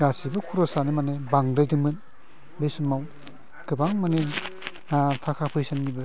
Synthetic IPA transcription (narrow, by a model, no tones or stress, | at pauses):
ɾasibɯkʰuɾɔsanɯmanebaŋdajdɯmɯn | besɯmaw | kɯbaŋmane | tʰakʰapʰɯjsanɡibɯ